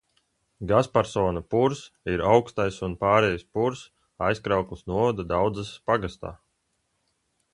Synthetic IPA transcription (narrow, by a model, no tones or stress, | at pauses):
ɡaspaɾsɔːnapuɾsiɾawkst̪ajsunpaːɾɛjaspuɾs | ajskɾawklˠisnuɔvad̪ad̪awd̪zaspaɡast̪a̰ː